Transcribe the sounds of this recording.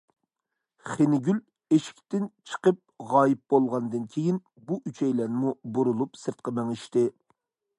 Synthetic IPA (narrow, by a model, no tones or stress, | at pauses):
χenɪɡʲyl | eʃi̥k̚ʲt̪ɪnt͡ʃʰə̥qəp̚ʁɑːjip̚bolˠʁɑnd̪ɨnkʲʰejin | buʔyt͡ʃʰɛjlɛnɪmubuɾulˠupsɨɾt̪̚qɑmɛŋɪʃt̪ɪ